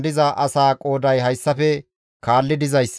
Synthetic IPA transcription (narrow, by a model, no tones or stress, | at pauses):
d̪ɪzɐʔɐsaːkʼo̞ːd̪ɐjɦɐjsːɐfɛ | kaːlːɪd̪ɪzɐjsː